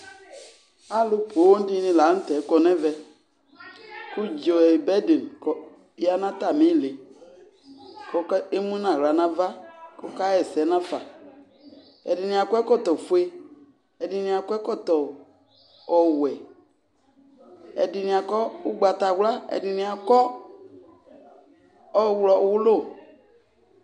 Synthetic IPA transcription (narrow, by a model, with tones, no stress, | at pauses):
a˦lu˦po˨˦wo˦n˦di˦nĩ˨la˨˦n̩˦tɛ˨˦kɔ˦nɛ˦vɛ˨ | ku˦d͡ʒo˨ɛ˨bɛ˦de˨n˨kɔ˨˦ | a˦nã˦t̪a˨mĩ˦˨le˨ | kɔ˦ke˦mũ˦nã˨ɾa˨nã˦va˦kɔ˦ka˦jɛ˨sɛ˨˦nã˦fa˨ | ɛ̰˨di˨nĩ˨a˨kɔ˦ɛ˦kɔ˦˨t̪ɔ˨fu˦e˦ | ɛ˨di˨nĩ˨a˨kɔ˦ɛ˦kɔ˦˨t̪ɔ˨ | ɔ˨wɛ˨ | ɛ̰˨di˨nĩ˨a˨kɔ˦u˦ɡ͡ba˨t̪a˨wla˦ɛ̰˨di˨nĩ˨a˨kɔ˦ | ɔ˦˨wlɔ˨˦˨wu˦lo˦˨